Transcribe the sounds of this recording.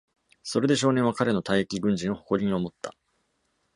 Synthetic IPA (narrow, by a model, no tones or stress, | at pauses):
so̞ɾe̞d̪e̞ɕ̬o̞ːneɰ̃βakaɾe̞no̞t̪aiekʲiɡɯ̟̃ɲ̟d͡ʑĩɰ̃o̞hoko̞ɾʲiɲ̟io̞mo̞t̪ːa